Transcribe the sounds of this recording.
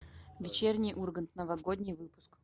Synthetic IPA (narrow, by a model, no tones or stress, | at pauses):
vʲɪt͡ɕernʲɪjʔurɡənt̪nəvɐɡod̪ʲnʲɪjvɨpʊ̥sk